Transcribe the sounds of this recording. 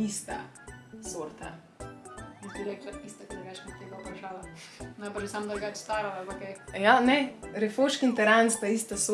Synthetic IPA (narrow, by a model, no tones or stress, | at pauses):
ist̪a̰ | soɾt̪a̰ | mit̪iɾɛklaist̪akd̪ɾɡat͡ʃnɛt̪eɡɐupɾɐʃaːlanajbɐɾʃɛsamd̪ɾɡat͡ʃst̪aːɾaalpakɛjanɛɾɛfoːʃkint̪ɛɾanspaist̪aso